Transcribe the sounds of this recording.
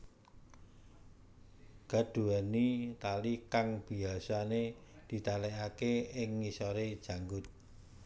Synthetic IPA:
ɡ̥a̤ɖ̥ṳanit̪alikaŋb̥i̤asaned̪̥i̤t̪alɛʔakeɪŋːisɔɾed̥ʒ̥a̤ŋɡʊt̪̚

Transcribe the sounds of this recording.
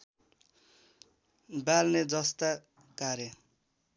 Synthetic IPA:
balned͡zʌst̪a | kaɾje

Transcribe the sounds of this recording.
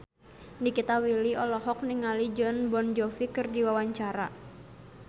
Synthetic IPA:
nikit̪awiliɔlɔɦɔk̚niŋalid͡ʒɔnbɔnd͡ʒɔfikɨrdiwawaɲt͡ʃaɾa

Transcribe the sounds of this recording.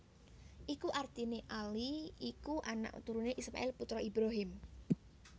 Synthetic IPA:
ʔikuʔart̪ineʔaliikuʔana̰ʔṵt̪uɾuneʔisma̰ɪlput̪ɾɔʔibɾaɦɪm

